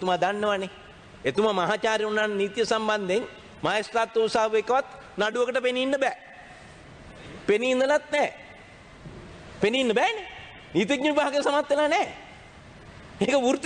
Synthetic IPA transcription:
et̪umad̪anːəʋane | et̪umamɐɦaːt͡ʃaːɾjɐunanniːt̪jɐsamband̪eŋ | maːjest̪ɾaːt̪ːɐʋusaːʋekːɐʋat̪ | naɖuʋəkəʈəpeniːnːəbɛː | peniːnd̪ɐlat̪nɛː | peniːnːəbɛːne | niːt̪̬iɡɲəʋibʱaːɡejsɐmat̪ːʋelanɛː | eːkəuɾt̪

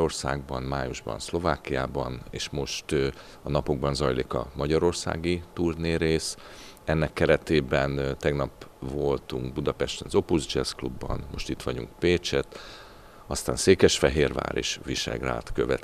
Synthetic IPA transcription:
orsa̰ːɡ̚bɒnmaːjuʒbɒ̰nslo̞vaːkːijaːbɒneːʃmo̞ʃt̪ | ɒnɒpoɡ̚bɒnzɒjliːkɒ̰mɒɟɒɾo̞rsa̰ːɡit̪uːrneːɾeːs | ɛnːɛkːɛɾɛt̪eːbɛnt̪ɛɡnɒpvo̞lt̪uŋɡ̚bud̪ɒpɛʃt̪ɛnzo̞puzd͡ʒɛsklubːɒ̰nmo̞ʃt̪it̪ʋɒɟṵŋk̚peːt͡ʃɛt̪ | ɒst̪aːnseːkɛʃfɛɦeːrva̰ːɾḛʃʋiʃɛ̰ɡra̰ːt̪køvɛt̪

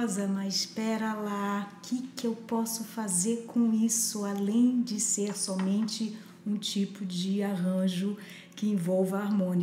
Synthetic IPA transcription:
zɐnɐɪʃpɛɾɐlakɪkewpɔsʊfazeɾkʰõisʊalẽj̃d͡ʒɪseɾsɔmẽnt͡ʃɪ | ũt͡ʃipʊd͡ʒɪaɦɐ̃ʒʊ | kɪẽvɔwvɐaɾmõni

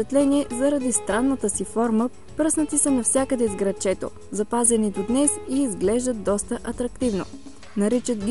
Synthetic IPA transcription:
ɛt̪lɛniɛzɐɾɐd̪ist̪ɾanːət̪əsifɔɾmə | pɾəsnət̪isənɐfsʲjakəd̪ɛzɡɾɐt͡ʃɛt̪o̰ | zɐpazɛnit̪od̪nɛsiːzɡlɛʒd̪ət̪̚d̪ɔst̪əʔɐt̪ɾɐkt̪ivno̰ | nɐɾit͡ʃət̪ɡʲ

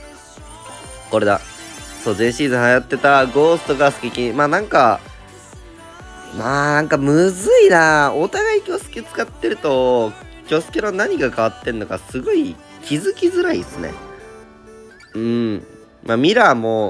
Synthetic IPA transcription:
ko̞ɾe̞d̪aso̞ːzẽ̞ɰ̃ɕiːzɨ̃hajat̪ːe̞t̪aɡo̞ːsɨ̥t̪oɡasɨ̥kʲikʲimaːnãŋka | maːnãŋkamɯzɨinaot̪aɡaikʲo̞ːsɨ̥kʲet͡sɨ̥kat̪ːe̞ɾɯ̟t̪o̞ | kʲo̞sɨ̥kʲenonaɲ̟iɡakaβ̞at̪ːe̞ɯnokasɨɡo̞i | kʲizɨkʲizɨɾaisɨne̞̰ | ɯ̟̃ɴ | maːmʲiɾamo

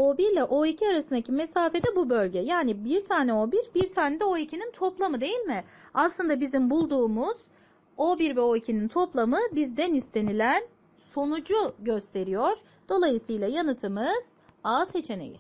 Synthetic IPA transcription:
obiɾlʲɛʔo̞icʰiaɾasɯnd̪acʰimesaːfe̞d̪ɛbubø̞lʲɟɛjaːnibiɾt̪ʰaːnɛo̞biɾbiɾt̪ʰaːned̪ɛo̞icʰinint̪ʰo̞plˠamɯd̪e̞jilʲmɪaslˠɯnd̪abizimbulˠd̪uːmuz̥ | o̞biɾvɛo̞icʰinint̪ʰo̞plˠamɯbizd̪ɛnist̪ʰe̞nilʲæn | so̞nud͡ʒuɟøst̪ʰe̞ɾijoɾ̥ | d̪̥o̞lˠajɯsɯjlˠajanɯt̪ʰɯmɯz̥ | aːse̞t͡ʃʰe̞nḛjḭ

